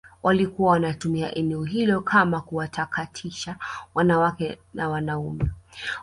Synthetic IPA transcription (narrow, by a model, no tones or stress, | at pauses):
wʔalikuwawanatumia̰ʔɛnɛɔɦilɔkʰamakuwatʰakatʰiʃawanawakɛnawanaumɛ